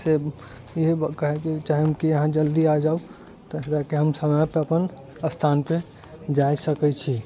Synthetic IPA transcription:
se | iɦekəɦɛkit͡ʃaɦiɦəmkiəɦãd͡ʒəld̪iad͡ʒau | t̪ɔɾakeɦəmsəməjpeəpən | əst̪ʰanpẽ | d͡ʒajsəkɛt͡ʃʰi

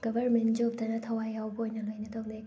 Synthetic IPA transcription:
ɡ̥ɐbʱɐɾmentd͡ʒop̚tɐnɐtʰɐwajawbɐojnɐlojnɐtʰɐwle

